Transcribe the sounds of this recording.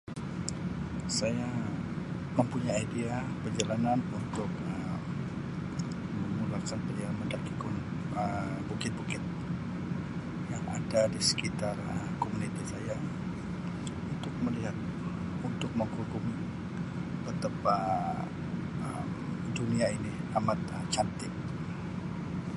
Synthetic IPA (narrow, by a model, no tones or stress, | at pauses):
saja | məmpuɲaaidia | pəd͡ʒalananunt̪ʊk̚əm | məmulakanpədiaməndakikun | ə | bukɪt̪̚bukɪt̪̚ | jaŋa̰dadisə̥kit̪arəkomunit̪isaja | unt̪ʊk̚məliɦat̪̚ | unt̪ʊk̚məŋhukʊm | bət̪apa | əmduniainiamat̪əmt͡ʃant̪ɪk̚